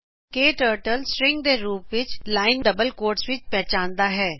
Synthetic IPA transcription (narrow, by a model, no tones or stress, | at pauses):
keːʈəːɾʈəlsɾɪ̃ŋɡ̚d̪eɾuːpʋɪt͡ʃlaːɪnɖɐbəlkoːɾʈsʋɪt͡ʃpɛɦt͡ʃãːnd̪aɦɛː